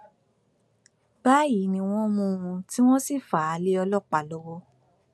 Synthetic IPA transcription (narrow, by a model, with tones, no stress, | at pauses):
ba˦ji˨˦nĩ˧w̃ɔ̃˦mũ˧ũ˧ti˦w̃ɔ̃˦si˦˨fa˨a˨˦le˦ɔ˧lɔ˦˨k͡pa˨lo˨˧˦wo˦